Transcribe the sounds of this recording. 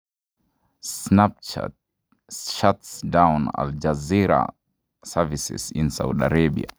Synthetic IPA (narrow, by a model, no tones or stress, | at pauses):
snap̚t͡ʃa̰t | ʃatsdawna̰ld͡ʒaziɾa̰ | savisɪ̰sɪ̃nsawdaɾebḭa̰